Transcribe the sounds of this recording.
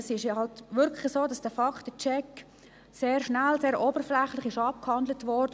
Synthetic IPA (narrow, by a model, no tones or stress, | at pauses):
sɪʃjɑhɑltʋʏɾkʰlɪsoːdɑsd̥əfɑktət͡ʃɛk | seːɾʃnælseːɾoːbəɾflɛχlɪχɪʃɑp̚khɑndlətʋɔɾdə